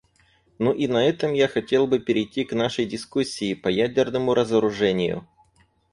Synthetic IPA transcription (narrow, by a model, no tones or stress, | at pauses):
nuʔinɐɛt̪əmjaxɐtʲe̞lˠbɨpʲɪɾʲɪjtʲːiknaʂəjdʲɪskusʲːɪːpɐjædʲɪrnəmʊɾʔəzəɾʊʐɛnʲɪjʊ̰